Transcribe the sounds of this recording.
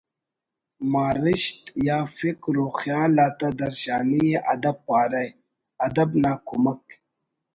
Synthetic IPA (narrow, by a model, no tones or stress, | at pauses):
maːɾɪʃt̪jaːfɪkɾoːxjaːlaːt̪ad̪ɐɾʃaːnijeʔɐd̪ɐb̚paːɾaj | ɐd̪ɐbnaːkumək